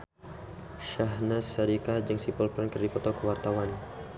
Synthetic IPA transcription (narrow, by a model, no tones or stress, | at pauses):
ʃahnasaɾikad͡ʒəŋsipɔlpɾankərdipɔt̪ɔkəwart̪awan